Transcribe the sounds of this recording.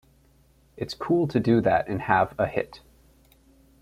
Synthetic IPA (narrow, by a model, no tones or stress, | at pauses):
ɨtskʰulˠtʰɨdɨðæɾɨ̃nəvəhɪ̰t